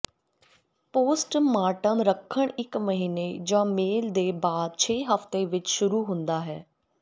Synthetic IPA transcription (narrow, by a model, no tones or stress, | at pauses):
poːsʈmaːʈənɾəkʰːəɳɪkməɦiːneːd͡ʒãːmeːld̪eːbaːd̪̚t͡ʃʰeːɦəft̪eːʋɪt͡ʃʃʊɾuːɦʊ̃nd̪aːɦɛː